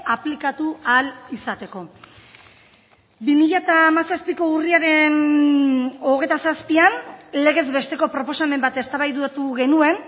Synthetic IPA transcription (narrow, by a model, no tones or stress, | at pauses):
aplikat̪ualisat̪e̞ko̞ | bimiʎat̪aːmasaspiko̞uriaɾe̞n | o̞ɣ̞e̞t̪asaspianle̞ɣ̞e̞zβe̞st̪e̞ko̞pɾo̞po̞same̞mbat̪e̞st̪aβajðut̪uɣe̞nue̞n